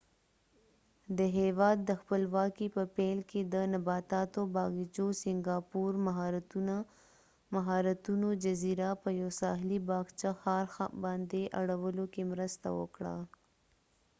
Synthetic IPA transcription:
d̪əɦewɑːd̪ːəxpəlwɑkipəpelked̪ənabɑt̪ɑt̪obɑɣid͡ʒosɪŋɡɑpuɾmaɦɑɾt̪n | maɦɑɾat̪unod͡ʒaziɾapəjowsɑɦlibɑɡt͡ʃaxɑɾxbɑnd̪eʔaɽawəlokemɾəst̪a̰wə̰kɽa̰

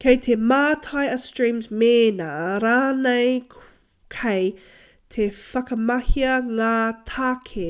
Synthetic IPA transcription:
kʰejt̪ʰemaːtʰajɐstɹĩːmzmeːnaɾaːnej | kʰɛj | t̪ʰefɐkɐmɐhiɐŋatʰaːkʰe

